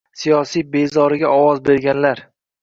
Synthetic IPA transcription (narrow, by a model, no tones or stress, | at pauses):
sijɒsijbe̞zɒɾɪɡʲaɒwɒzbe̞ɾɡʲanlaɾ